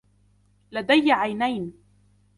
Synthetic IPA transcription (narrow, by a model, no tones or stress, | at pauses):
lad̪ajːaʕajnajn